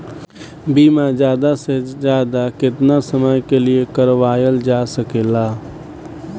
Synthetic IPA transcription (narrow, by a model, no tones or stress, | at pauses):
biːmãd͡ʒjaːd̪asezjaːd̪akɪt̪nasəməjkeliekəɾʋaːjəld͡ʒaːsəkeːlaː